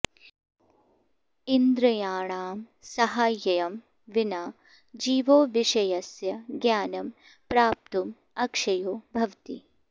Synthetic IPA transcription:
ind̪ɾɐjaːɳaːm | sɐɦaːjɐjɐm | ʋinaː | d͡ʒiːʋoːʋiʂɐjɐsjɐɡjaːnɐm | pɾaːp̚t̪um | ɐkʂɐjoːbʱɐʋt̪ḭ

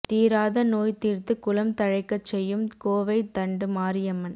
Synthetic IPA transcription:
t̪iːɾaːðɐnoːjt̪iːɾt̪ɯkʊlɐmt̪ɐɻɐɪkːɐt͡ʃːɛjːɯmkoːʋɐɪt̪ɐɳɖɯmaːɾɪjɐmɐn

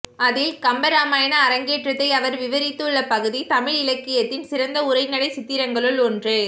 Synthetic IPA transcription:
ɐðɪlkɐmbɐɾaːmaːjɐnɐːɾɐŋɡeːʈrɐt̪ːɐɪɐʋɐɾʋɪʋɐɾɪt̪ːɯɭːɐpɐɣɯðit̪ɐmɪɻɪlɐkːɪjɐt̪ːɪnsɪɾɐnd̪ɐʊɾɐɪnɐɽɐɪsɪt̪ːɪɾɐŋɡɐɭɯɭɔndrɯ

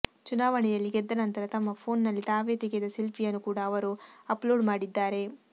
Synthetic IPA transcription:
t͡ʃunaːʋɐɳɛjɐlːiɡɛd̪ːɐnɐnt̪ɐɾɐt̪ɐmːɐpʰo̞ːnːɐlːit̪aːʋeːt̪iɡed̪ɐsilpʰijɐnːukuːɽɐːʋɐɾuɐplo̞ːɖmaːɽid̪ːaːɾe̞

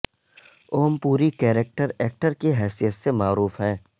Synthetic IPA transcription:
oːmpuːɾikɛːɾek̚ʈəɾɛːk̚ʈəɾkiɦɛːsijət̪semaːɾuːfɦɛ̃ː

